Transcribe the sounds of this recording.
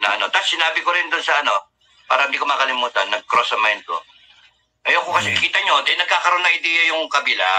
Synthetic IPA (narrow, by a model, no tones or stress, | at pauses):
nɐ̰ʔɐno̞t̪assɪnaːbɪkoɾɪnd̪ʊnsɐɐno̞ | pa̰ːɾɐhɪnd̪iːkomaːkɐlɪmuːt̪ɐnːɐɡ̚kɾosɐmajnd̪̚ko̞̰ | ʔɐjoːkokɐsoʔɪkiːt̪ɐɲod̪ɐjnɐɡ̚kaːkɐɾonːɐŋɪd̪ɛːjɐjʊŋkɐbɪla̰